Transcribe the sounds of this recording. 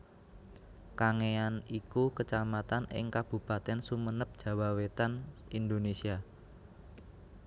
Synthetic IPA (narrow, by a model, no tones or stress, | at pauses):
kaŋeanikukət͡ʃamat̪anɪ̰ŋkab̥ṳpat̪ɛnsumənəp̚d̥ʒ̥ä̤wawet̪anind̪onesia